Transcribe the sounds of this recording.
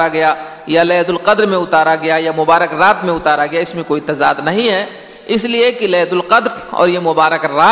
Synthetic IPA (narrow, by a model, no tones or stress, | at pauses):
aɡɐjajalɛːd̪ʊlqɐd̪ɾmẽʊt̪aːɾaɡɐjajamʊbaːɾəkɾaːt̪mẽʊt̪aːɾaɡɐjaɪsmẽkoːit̪ɐzaːd̪nɐɦĩɦɛ | ɪsliekilɛːd̪ʊlqɐd̪ɾɔ̰ːɾjemʊbaːɾəkɾaː